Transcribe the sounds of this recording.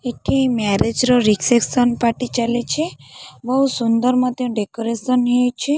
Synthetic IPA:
eʈʰimɛɾed͡ʒɾoɾikseksɔnpaʈit͡ʃalet͡ʃʰebəɦusund̪əɾmãt̪eũɖekoɾesɔnɦit͡ʃʰe

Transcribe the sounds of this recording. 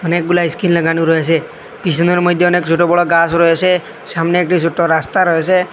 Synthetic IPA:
ənek̚ɡulaiskinləɡañuɾɔɦesʰe | pis̬ɔnɔɾmɔd̪ʱjɔɔnekt͡ʃʰoʈɔbɔɭɔɡasɾɔɦesʰe | samneekʈisʰoʈɔɾast̪aɾɔɦesʰe

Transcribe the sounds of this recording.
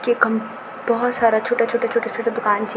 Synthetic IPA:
keːkɦɐm | bɔɦʊt̪saːɾat͡ʃʰoːʈat͡ʃʰoːʈat͡ʃʰoːʈat͡ʃʰoːʈad̪ʊkaːnt͡ʃʰi

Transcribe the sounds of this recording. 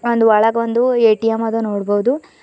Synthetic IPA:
ond̪uʋɐɭɐɡɐʋond̪ueːʈijɐmɐd̪ɐnoːɽbɐwud̪u

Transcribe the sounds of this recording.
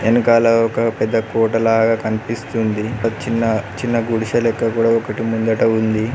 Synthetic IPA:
enukaːlɐɔkɐpɛd̪ːɐkɔːʈɐlaːɡaːkɐnipist̪und̪it͡ʃinːɐt͡ʃinːɐɡuɽiʃɐlɛkːɐkuːɽaːɔkɐʈimund̪ɐʈɐund̪i

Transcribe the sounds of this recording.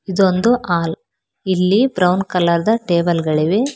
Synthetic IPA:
id̪ond̪uʔaːl | ilːibɾɐwnkɐlːɐɾd̪ɐʈeːbɐlɡɐɭiʋe

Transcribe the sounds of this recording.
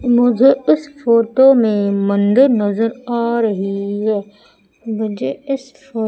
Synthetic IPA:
mʊ̃zʱəɪsfoːʈoːmẽmɐ̃nd̪əɾnɐzəɾaːɾɐɦiɦɛ | bɐd͡ʒeɪs | foː

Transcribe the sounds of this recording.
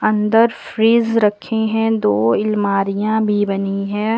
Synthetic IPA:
ɐ̃nd̪əɾfɾiːzɾɐkʰːẽɦɛ̃d̪oːɪlmaːɾijãbʱibɐniɦɛ̃ː

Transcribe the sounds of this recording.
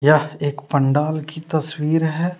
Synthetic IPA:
jaeːkpə̃ɳɖaːlkit̪ɐswiːɾɦɛː

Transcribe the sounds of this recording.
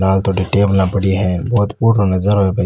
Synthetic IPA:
laːlt̪ʰoɖiʈeːblnapəɽiɦɛ̃bɔːt̪puːɾanɐzəɾɦebɐ

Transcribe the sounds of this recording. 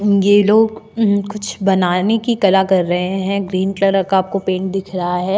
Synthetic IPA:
jeloːɡkʊt͡ʃʰbɐnaːnekikɐlakɐɾːɐɦẽɦɛ̃ɡɾiːnkləɾəkaːp̚kopẽːɳʈ̚d̪ɪkʰɾɐɦaɦɛː

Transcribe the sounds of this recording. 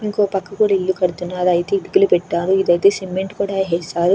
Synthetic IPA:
iŋko̞ːpɐkːɐkuːɽailːukɐɾut̪unːaːɾɐjt̪eːiɽiɡilupɛʈːaːɾuid̪ɐjt̪e̞ːsimːeɳʈkuːɽaɦɛːsaːɾu

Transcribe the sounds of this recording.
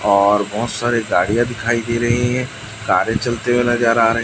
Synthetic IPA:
ɔːɾbɔɦʊt̪saːɾeɡaːɽijãd̪ɪkʰaːid̪eːɾɐɦiɦɛ̃ | kaːɾjet͡ʃɐlt̪emẽlad͡ʒaːɾaɾɐɦ

